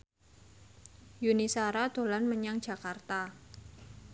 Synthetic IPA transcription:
junisaɾad̪̥o̤lanməɲaŋd̥ʒ̥a̤kart̪a

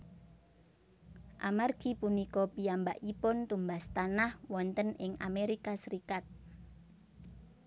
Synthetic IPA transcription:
ʔamarɡ̥i̤punikɔpiambaʔipʊnt̪umbast̪anahwɔnt̪ənɪŋa̰meɾikasəɾikat̪̚

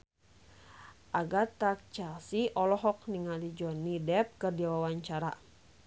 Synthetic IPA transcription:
ʔaɡat̪ak̚t͡ʃasiʔɔlɔɦɔk̚niŋalid͡ʒɔnidɛp̚kərdiawawaɲt͡ʃaɾa̰

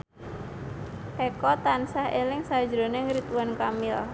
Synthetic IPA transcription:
ʔekɔt̪ansahelɪŋsḁd͡ʒɾo̤neŋɾit̪uankamɪl

